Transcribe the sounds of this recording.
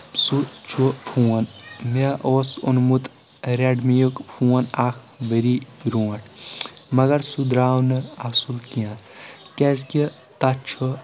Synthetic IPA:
sut͡ʃʰupʰuwɐnmeʔoːsonmut̪ | ɾeɖmijokpʰũːwɐnaːkʰ | bəɾibiɾuːʈʰmɐɡɐɾsud̪ɾaːwnɨasulkijãt̪kezki | t̪ɐt͡ʃʰo

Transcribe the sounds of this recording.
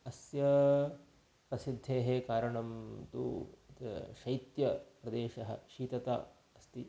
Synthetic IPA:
ɐsjɐ | pɾɐsid̪ʱːeːɦekaːɾɐɳɐmt̪ṵt̪ʃɐjt̪jɐpɾɐd̪eːʃɐɦɐ̰̆ʃiːt̪ɐt̪a̰ | ɐst̪i

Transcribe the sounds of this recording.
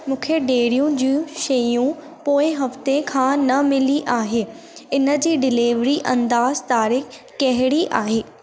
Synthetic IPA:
mũːkʰeɖeːɽijũd͡ʑĩːʃɐjũ | poːɪ̃ɦɐft̪ekʰãːnɐmɪliʔaːɦeː | ɪnə̆d͡ʑiːɖɪliːʋɾiʔɐ̃nd̪aːzt̪aːɾɪːkː | ɐɦɪɽiʔaːɦeː

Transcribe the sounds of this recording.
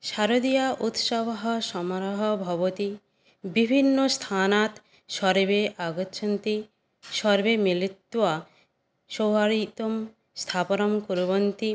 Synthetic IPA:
ʃaɾod̪ijaʔut̪ʃabɦɔʃɔmɾɔɦɔbʱɔβot̪i | bibʱinːost̪ʰanat̪ | ʃɔɾbeʔaɡotːʃʰant̪i | ʃɔɾbemilit̪ːwa | ʃowɦaɽit̪om | st̪ʰaponomkuɾbont̪i

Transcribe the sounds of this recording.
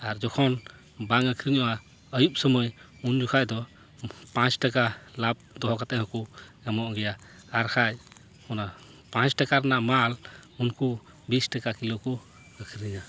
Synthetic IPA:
aɾd͡ʒɔkʰɔn | baŋəkʰɾiɲɔwa | əjup̚sɔmɔj | und͡ʒukʰajd̪ɔ | pãt͡ʃʈakalap̚d̪ɔɦɔkat̪ɛɦɔ̃kuamɔʔɔɡɛjaː | ɾkʰaj | hɔna | pãt͡ʃʈakaɾnamalunku | bisʈakakiloku | əkʰɾiɲa

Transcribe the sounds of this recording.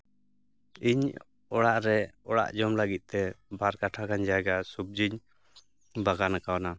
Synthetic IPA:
iɲ | ɔɽaʔɾɛɔɽa̰ʔd͡ʒɔmlaɡit̪̚ˀt̪ɛbaɾkaʈʰakaɲd͡ʒajɡasub̚d͡ʒiɲ | baɡanakawana

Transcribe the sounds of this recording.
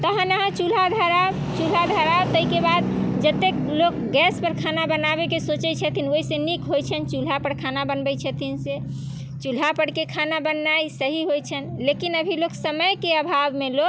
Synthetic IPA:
t̪əɦə̃nəɦãt͡ʃul̤ad̪ʱəɾab | t͡ʃul̤ad̪ʱəɾabt̪əɦikebad̪̚d͡ʒət̪ek̚lokɡɛspəɾkʰanabənabekesot͡ʃɛt͡ʃʰət̪ʰinoisenikɦojt͡ʃʰənt͡ʃul̤apəɾkʰanabənbɛjt͡ʃʰət̪ʰinse | t͡ʃul̤apəɽkekʰanabənːajsəɦiɦojt͡ʃʰənlekinəbʱiloksəməjkeəbʱabmelok

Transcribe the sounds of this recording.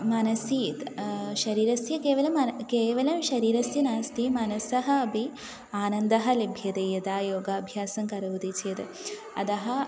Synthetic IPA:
mɐnɐsiːt̪ʃɐɾiːɾɐsjɐkeːʋɐlɐmɐkeːʋɐlɐmʃɐɾiːɾɐsjɐnaːst̪ʰimɐnɐsɐɦɐ̆ɐbʱi | aːnɐnd̪ɐɦɐ̆lebʱjɐd̪ejɐd̪aːjoːɡɐɐbʱjaːsɐŋkɐɾɐʋut̪it͡ʃʰjɐt̪ | ɐ̰d̪ɐɦɐ

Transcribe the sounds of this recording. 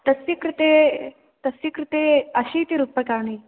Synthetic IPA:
t̪ɐsikɾut̪e | t̪ɐsjikɾɪt̪eːɐɕiːt̪iɾupːɐkaːɳiː

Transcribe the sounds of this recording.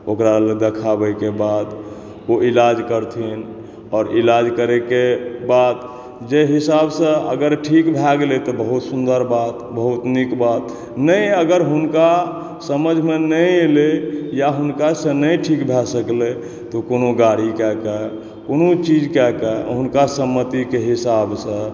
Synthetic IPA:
okɾaled̪ekʰabəjkebad̪ | oilad͡ʒkəɾt̪ʰin | ɔːɾilad͡ʒkəɾekebad̪ | d͡ʒeɦisabsə̃ə̰ɡəɾʈʰikbʱɛɡlet̪ɔbəɦut̪sund̪əɾbat̪bəɦut̪nikbat̪ | nəĩəɡəɾɦunka | səməd͡ʒʱmenəĩelejaɦunkasə̃nəĩʈʰikbʱɛsəkle | t̪okonoɡaɽikɛkɛ | konot͡ʃid͡ʒkɛkɛɦunkasəmːət̪ikeɦisabsə̃

